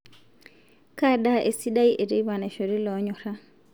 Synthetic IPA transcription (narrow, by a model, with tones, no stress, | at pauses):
ka˦da˦ʔe˨si˦da˦i˦ʔe˨ɾi˦βa˨ne˨ʃo˨ɾi˦lɔ˨˦ɲɔ˨ɾa˦